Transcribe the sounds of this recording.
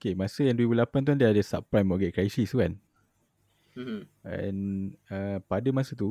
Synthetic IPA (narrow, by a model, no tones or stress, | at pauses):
okemãsəjãŋndwuɾibulapant̪̬uandiadəsa̰p̚pɾamɔʔɡɛʔ̚kɾajsist̪ukan | ɛ̰̃nəpadəmãsət̪u